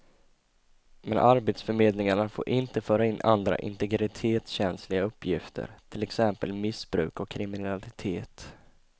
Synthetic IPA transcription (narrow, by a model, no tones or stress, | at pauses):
mɛnʔaɾbeːt̪sfœɾmeːd̪lɪŋaɳafo̰ːɾʔɪnt̪əfœːɾaɪnːʔand̪ɾa̰ʔɪ̰nt̪ɛɡɾɪt̪ʰeːt̪sɕɛnslɪɡaɵpːjɪft̪ʰə̰ɾt̪ʰɪlɛksɛmpə̰lmɪsbɾʉ̟ːkɔkʰːɾɪmɪnalɪt̪ʰeːt̪